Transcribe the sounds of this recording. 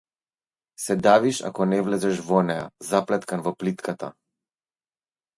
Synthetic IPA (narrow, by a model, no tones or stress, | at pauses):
sɛd̪aviʃa̰kɔnɛvlɛzɛʃvɔnɛja̰zaplɛt̪kanvɔplit̪kʰat̪a